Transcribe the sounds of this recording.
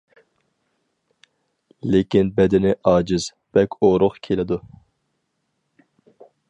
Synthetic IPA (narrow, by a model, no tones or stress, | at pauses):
lekʲinbɛd̪ɪnɪʔɑːd͡ʒɨz̥ | b̥ɛkʲʰoɾʊʁkʲʰelɪd̪u